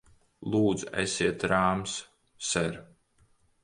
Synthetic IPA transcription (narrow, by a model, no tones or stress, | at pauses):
lˠuːd̪zɛ̰sʲiɛt̪ɾaːms | sɛɾ